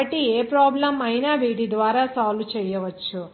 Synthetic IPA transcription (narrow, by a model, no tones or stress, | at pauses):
ɐʈːieːpɾaːblɐmɐjnaːʋiːʈid̪ʋaːɾaːsaːlʋt͡ʃɛːjɐʋɐt͡ʃːu